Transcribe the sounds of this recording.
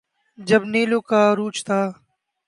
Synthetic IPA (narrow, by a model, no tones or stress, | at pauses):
d͡ʒɐbneːloːkaːɾuːt͡ʃt̪ʰaː